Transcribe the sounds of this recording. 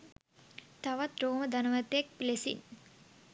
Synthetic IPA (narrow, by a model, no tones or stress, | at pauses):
t̪aʋat̪roːməd̪anəʋət̪jek̚pilesḭn